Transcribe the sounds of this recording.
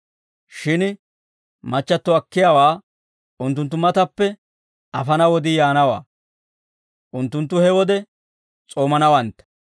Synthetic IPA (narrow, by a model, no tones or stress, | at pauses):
ʃɪn | mɐt͡ʃːɐt̪ːɔɐkːɪjaːwaː | ʊnt̪̬ːʊnt̪ːʊmɐt̪ɐpːɛ | ɐfɐnɐwɔd̪ɪjaːnɐwa̰ː | ʔʊnt̪ːʊnt̪̬ːʊhɛwɔd̪ɛ | t͡sʼo̞ːmɐnɐwɐnt̪